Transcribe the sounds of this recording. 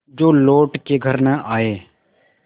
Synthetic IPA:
d͡ʒoːloːʈkeːɡʱəɾnəʔaːeː

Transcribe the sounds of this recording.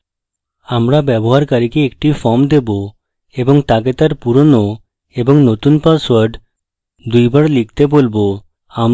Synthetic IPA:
amɾabɛboɦaɾkaɾikeek̚ʈifɔmd̪ebo | eboŋt̪ak̬et̪aɾpuɾono | eboŋnot̪unpaswaɾɖ | d̪ujbaɾlik̚t̪ebolbo | am

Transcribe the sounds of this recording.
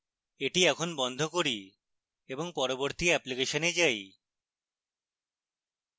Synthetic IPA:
eʈiɛkʰonbɔnd̪ʱokoɾi | eboŋpɔɾoboɾt̪iɛplikeʃoned͡ʑaj

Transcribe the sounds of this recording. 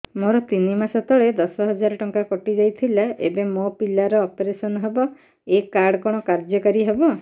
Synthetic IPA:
moɾɔt̪inimasɔt̪ʰɔɭed̪ɔsɔɦɔd͡ʒaɾɔʈɔŋkakɔʈid͡ʒajt̪ʰilaʔḛbemopilaɾɔːpeɾesɔnɔɦebɔ | ekaɾɽɔkɔɽ̃ɔkaɾd͡ʒɔkaɾiɦebɔ

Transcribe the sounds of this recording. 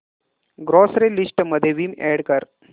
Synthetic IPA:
ɡɾosɾelisʈməd̪ʱːjeʋiːmɛɽkəɾ

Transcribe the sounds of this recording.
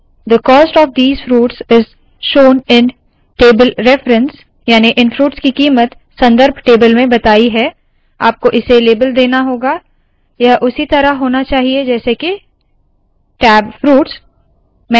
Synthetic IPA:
d̪əkɔːsʈɔːʋd̪iːzfɾuːʈsɪz | ʃoːnɪ̃n | ʈeːbəlɾɛfɾə̃ns | jaːniʔɪ̃nfɾuːʈskikiːmət̪ | sɐ̃nd̪əɾbʱʈeːbəlmẽbɐt̪aːiɦɛ | a̰ːp̚koʔɪseleːbəld̪eːnaɦoːɡa | jaʔʊsit̪ɐɾaɦoːnat͡ʃaːɦied͡ʒɛːseke | ʈɛːbfɾuːʈs | mɛ

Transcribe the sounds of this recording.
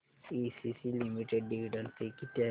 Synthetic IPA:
isisilimiʈeɖːiʋiɖənsikit̪a

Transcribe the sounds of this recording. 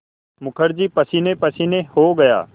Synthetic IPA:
mʊkʰəɾd͡ʒiːpəsiːnepəsiːnehoːɡɐja̰ː

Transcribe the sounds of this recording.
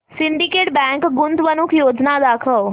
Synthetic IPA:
sɪ̃ɳɖikeːʈbɛ̃ːŋkɡʊnd̪ʋənʊkʰjoːd͡ʑnad̪aːkʰəʋ

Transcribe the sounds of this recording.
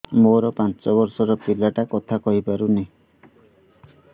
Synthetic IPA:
moɾɔpant͡ʃɔbɔɾsɔɾɔpilaʈakɔt̪ʰakɔɦipaɾunej̃

